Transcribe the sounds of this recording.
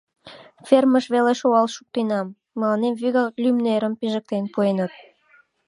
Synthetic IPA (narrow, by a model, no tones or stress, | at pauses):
fʲerməʃβeleʃuɑlʃuk̚t̪enɑmː | əlɑnemvyɣɑlʲymneɾəmpiʒə̆k̚t̪enpuenət̪̚